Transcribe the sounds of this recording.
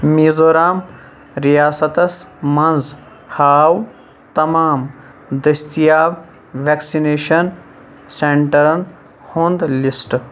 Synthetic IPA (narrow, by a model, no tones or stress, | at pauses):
miːzoːɾaːm | ɾijaːsɐt̪ɐsmɐnz | haːw | t̪ɐmaːm | d̪ɐst̪ijaːb | ʋeksineːʃɐn | seɳʈɐɾɐn | hoːnd̪lisʈ